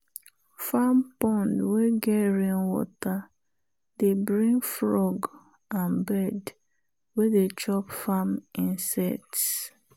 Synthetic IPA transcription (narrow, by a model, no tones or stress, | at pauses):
fampɔ̃ndweɡɛɹĩnwɔ̰ta | debɹĩŋɡfɹɔɡ | ãnbɛd | wedet͡ʃɔpfamĩnsɛ̰kts